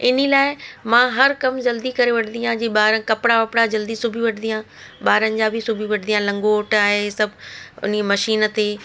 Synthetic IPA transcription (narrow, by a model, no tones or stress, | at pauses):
ɪnilaːɪmãːɦɐɾkɐmd͡ʑɐld̪ikɐɾeʋɐʈʰnd̪ijãd͡ʑiːɓaːɾənkɐpɽaʋɐpɽad͡ʑɐld̪isʊbʱiʋɐʈʰnijã | ɓaːɾənɪ̆d͡ʑaːbʱɪsʊbʱiʋɐʈʰnijãlɐ̃ŋɡoːʈaːɦesɐbʱʊ̰nmɐʃiːn̆t̪eː